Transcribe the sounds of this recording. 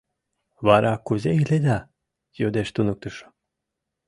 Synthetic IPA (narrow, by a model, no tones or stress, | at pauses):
βɑɾɑkuzeiled̪ɑ | jod̪eʃt̪unuk̚t̪əʃo̥